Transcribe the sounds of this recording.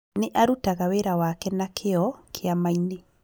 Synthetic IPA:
neʔaɾutaɣaweɾawakɛnakʰeɔkʰeamaine

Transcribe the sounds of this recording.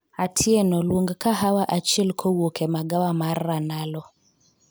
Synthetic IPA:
atʰiɛnɔloŋɡkaɦawaʔat͡ʃilkʰɔwokʰɛmaɡawamaranalɔ

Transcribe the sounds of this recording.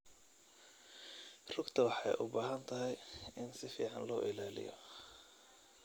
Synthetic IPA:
rʊɡt̪ʰɐwɑħɑ̰jʔʊ̰baːɦɐnt̪ʰɐɦɛjɪnsɪfḭːʕɑnlɔːʔɪlaːlɪ̰jɔ̰

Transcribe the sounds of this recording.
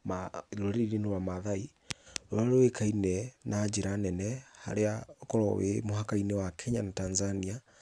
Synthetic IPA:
maɾoɾeiɾenowamaðai | oaɾowekʰainɛnad͡ʒeɾanɛnɛha̰ɾeaokɔɾɔ̰wḛmoɦakainɛwakʰɛɲanatanzania

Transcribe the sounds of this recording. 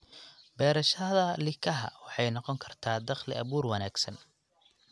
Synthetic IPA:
bɛːɾɐʃɐðɐlɪkʰɐɦɐ̰wɑħɑjnɔqɔŋkʰɐrt̪ʰaːd̪ɑχlɪʔɐβuːrwɐnaːɡsɐn

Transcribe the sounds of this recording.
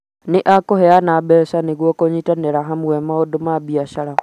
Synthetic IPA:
niʔakoheanaɓesaniɣwokoɲitaneɾaɦamuwemaodomabiaʃala

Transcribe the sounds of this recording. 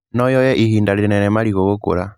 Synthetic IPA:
nɔjɔjɛʔihindaɾinɛnɛmaɾiɣoɣokṵɾa

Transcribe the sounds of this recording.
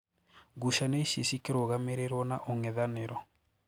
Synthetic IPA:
ɡuʃaneʃisikeɾoɣameɾeɾwɔnaʔoŋɛðaneɾɔ

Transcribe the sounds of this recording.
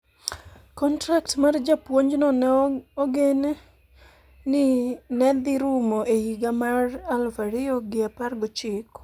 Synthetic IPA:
kɔntɾaktmard͡ʒapwoɲd͡ʒnɔnoɡen | nɪnɛd̪ɪɾumoehiɡamaralfaɾɪoɡɪaparɡɔt͡ʃɪk

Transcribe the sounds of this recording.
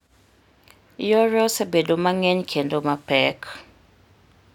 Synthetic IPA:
jɔɾɔsebedomaŋɛɲkʰendomapɛk

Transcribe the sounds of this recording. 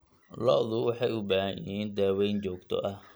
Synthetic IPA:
lɔ̰ðʊwɑħɑjʊbaːhajɪ̰ɦiːnd̪aːwɛjnt͡ʃɔːɡt̪ʰɔ̰ʔɐh

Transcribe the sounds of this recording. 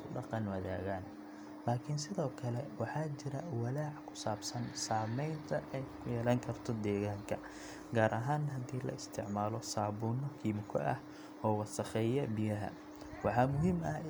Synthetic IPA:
ʊɖɑqɑnwɐða̰ːɣaːn | laːkʰɪnsɪðɔːkʰɐlɛwɑħɑːt͡ʃɪɾɐwɐlaːʕkʰʊ̥saːbsɐnsaːmɛjnt̪ʰɐʔɛjkʰʊjɛːlɐːŋkʰɐrt̪ʰɔd̪ɛːɣaːŋkʰɐ | ɡaːɾʔɐɦaːnɦɐd̪iːlɐ̰ɪst̪ʰɪʕmaːlɔsaːβuːnɔkʰiːmkʰɔ̰ʔɐ̰h | ɔːwɑsɐχɛːjɐbɪjɐɦɐ̰ | wɑħɑːmʊɦiːmɐ

